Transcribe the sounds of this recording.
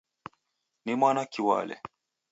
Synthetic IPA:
nimwanakiwa̰lɛ̰

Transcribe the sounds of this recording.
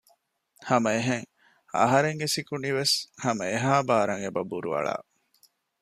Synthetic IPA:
hɐmɐeɦeŋ | ɐ̰ɦɐɾeŋɡesikuniʋeshɐmɐeɦaːbaːɾɐŋebɐbuɾuɐ̰ɭa̰ː

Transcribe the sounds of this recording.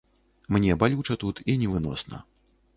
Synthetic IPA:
mnʲɛbalʲut͡ʂɐt̪ut̪inʲɛvɨnɔ̰snɐ̰

